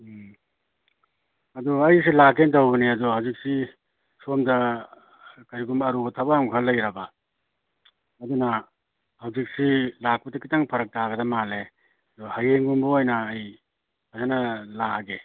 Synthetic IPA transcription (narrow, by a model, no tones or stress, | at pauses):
ɐduɐjs̬ilakentawbɐniɐduhawzik̚si | somdɐ | kaɾiɡumbɐːɾubɐtʰabaaŋkʰalːɐjɾaba | ɐduna | hawzik̚silak̚pɐdɐkitaŋpʰɐɾɐk̚taɡɐdɐmale | ɐdɔhajeŋɡumbɐojnaːj | azanalaɡe